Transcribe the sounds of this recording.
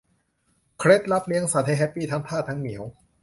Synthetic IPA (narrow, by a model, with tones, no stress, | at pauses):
kʰɾe˦˥t̪̚la˦˥p̚li˧˥əŋsaː˨˩t̪ʰe˧ɦɛ˦˥pːiː˥˩t̪ʰa˧mt̪ʰaː˥˩t̪ʰaː˦˥ŋmi˩˦əw